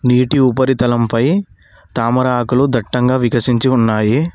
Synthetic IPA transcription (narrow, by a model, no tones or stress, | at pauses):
niːʈiupɐɾit̪ɐlɐmpɐj | t̪aːmɐɾaːkulud̪ʱɐʈːɐŋɡaːʋikɐsiɲt͡ʃiunːaːji